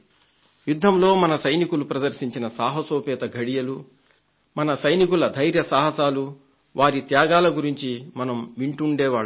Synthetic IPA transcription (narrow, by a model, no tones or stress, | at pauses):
jud̪ʱːɐmlo̞ːmɐnɐsɐjnikulupɾɐd̪ɐɾʃiɲt͡ʃinɐsaːɦɐsoːpɛːt̪ɐɡʱɐɽijɐlu | mɐnɐsɐjnikulɐd̪ʱɐjɾjɐsaːɦɐsaːlu | ʋʔaːɾit̪jaːɡaːlɐɡuɾiɲt͡ʃimɐnɐmʋiɳʈuɳɖɛːʋaːɭ